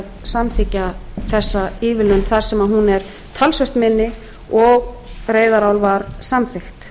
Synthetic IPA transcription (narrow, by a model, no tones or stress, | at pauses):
ðsamθɪcːaθɛsːaiːvɪlʏnθaɾ̥sɛmaðɦunɛɾ | t̪ʰalsœht̪mɪnːɪ | ɔɣ | reːjðaɾaːwlvaɾsamθɪxt̪